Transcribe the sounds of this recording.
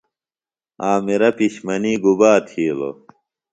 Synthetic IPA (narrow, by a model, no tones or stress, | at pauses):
aːmiɾɐpiɕmɐniːɡubaːt̪ʰiːlo̰